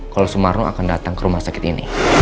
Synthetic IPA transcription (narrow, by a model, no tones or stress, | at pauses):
kalosumarnua̰kandat̪aŋkəɾumahsakɪt̪inḭ